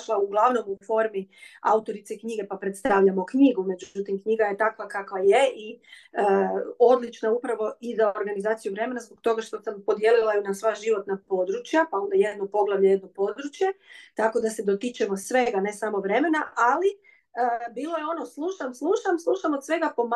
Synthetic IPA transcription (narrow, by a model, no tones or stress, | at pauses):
ʃlˠauɡlˠaʋno̞mufo̞ɾmia̰ut̪o̞ɾit̪sekɲiɡe̞papɾet̪st̪aʋʎamo̞kɲiɡume̞d͡ʒuut̪imkɲiɡaje̞t̪akʋakakʋajeʔi | o̞d̪lit͡ʃnaupɾaʋo̞izaoɾɡanizaːt̪sijuʋɾe̞me̞nazboɡ̚t̪o̞ɡaʃt̪o̞sampo̞d̪jelilˠajunasʋaʒiʋo̞t̪napo̞d̪ɾut͡ɕjapao̞nd̪ajed̪no̞po̞ɡlˠaʋʎeje̞d̪no̞po̞d̪ɾut͡ɕje̞t̪ako̞d̪ase̞d̪o̞t̪it͡ʃemo̞sʋe̞ɡane̞samo̞ʋɾe̞me̞naʔali | əbiːlˠo̞jeo̞no̞slˠuʃamslˠuʃamslˠuʃamod̪sʋe̞ɡapo̞m